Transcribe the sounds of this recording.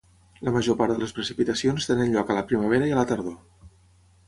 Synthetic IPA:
ləməʒopaɾd̪ələspɾəsipit̪əsionst̪enənʎɔkələpɾiməβ̞eɾəiələt̪əɾðo

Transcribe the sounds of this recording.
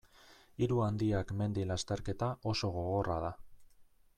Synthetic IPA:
iɾuand̪iakme̞nd̪ilast̪eɾke̞t̪aʔo̞so̞ɣo̞ɣo̞rað̞a

